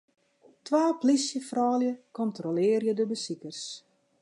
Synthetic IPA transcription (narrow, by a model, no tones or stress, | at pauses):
tʋaːplisjəfrɔːljəkɔntrolɪːrjədəbəsikərs